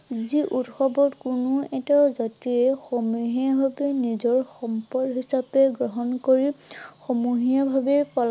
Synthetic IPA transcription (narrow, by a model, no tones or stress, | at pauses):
ziʔutxɔbɔtkunʊɛtazatiɛxɔmuɦiabʱabɛnizɔɹxɔmpɔɹɡɦisapɛɡɹɔɦɔnkoɹixɔmuɦiabʱabɛpɔl